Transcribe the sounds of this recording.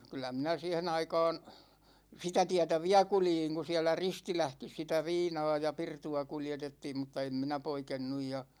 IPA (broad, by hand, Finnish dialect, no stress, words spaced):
kylˑæ minæ siːhen ɑikɑ̝ːn sitæ tiætæ ʋiæ kuljiŋ ku siælæ ristilæhkis sitæ ʋiːnɑː jɑ pirtuɑ kuljetetːiːm mutːɑ em minæ poikenːuj jɑ